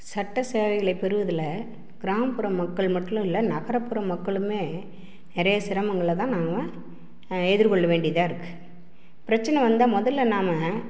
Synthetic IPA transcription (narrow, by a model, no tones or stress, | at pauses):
sɐʈːɐseːʋɐɪɣɐɭɐɪpːɛɾɯʋɐðɪlɐ | ɡ̥ɪɾaːmɐpɯɾɐmɐkːɐɭmɐʈːʊ̃ɪlːɐnɐɣɐɾɐpːɯɾɐmːɐkːɐɭɯmeː | nɪɾɐjɐsɪɾɐmɐŋɡɐɭːɐt̪ãːnaːmɐ | ɛðɪɾkɔɭːɐʋeːɳɖɪjɐðaːɪɾɯkːɯ̥ | pɪɾɐt͡ʃːɐnɐ̃ʋɐnd̪amɔðɐlːɐnaːmɐ